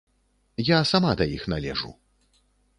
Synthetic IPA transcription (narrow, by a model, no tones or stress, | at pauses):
jasamad̪ɐjixnalʲɛ̰ʐṵ